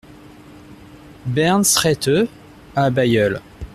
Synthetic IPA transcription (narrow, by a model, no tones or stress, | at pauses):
bɛʁnsχɛt̪ø | abajœl